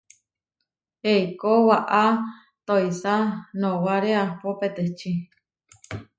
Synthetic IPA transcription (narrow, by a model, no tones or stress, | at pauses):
eikowaʔa | t̪oisanowaɾeapopet̪et͡ʃi